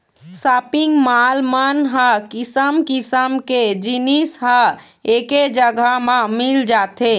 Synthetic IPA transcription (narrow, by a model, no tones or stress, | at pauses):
sapiŋɡmalmanɦəkisəmkisəmked͡ʒinisɦə | eked͡ʒəɡʱəmẽmild͡ʒat̪e